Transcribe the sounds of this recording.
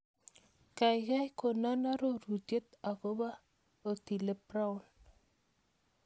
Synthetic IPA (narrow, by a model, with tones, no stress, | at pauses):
ka˨jka˦jko˨na˦na˦ɾo˦ɾu˨dje˦t̪a˨ko˦ba˦ | o˨t̪i˨le˦pɾa˦ʊ˦˨n